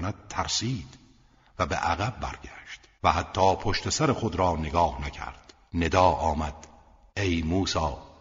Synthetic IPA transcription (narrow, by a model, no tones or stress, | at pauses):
næd̪̥̚t̪ʰæɾsiːd̪̥ | væbḛʔæɣæb̚ːæ̰ɾɡæʃt̪ | væhæt̪ʰːɒːpʰoʃt̪ʰesæɾeχod̪ɾɒːneɡɒːhnæcʰæ̰ɾd̪̥ | ne̞d̪ɒːʔɒːmæd̪̥ | ʔe̞jmuːsɒː